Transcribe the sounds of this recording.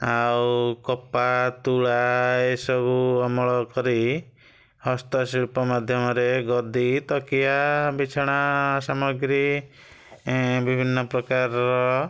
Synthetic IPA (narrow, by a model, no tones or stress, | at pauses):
awwkɔpat̪uɭaesɔbuɔmɔɭɔkɔɾi | hɔst̪ɔsilpɔmad̪ʱjɔmɔɾeɡɔd̪it̪ɔkijabit͡ʃʰɔɽ̃asamɔɡɾi | bibʱinːɔpɾɔkaɾɔɾɔ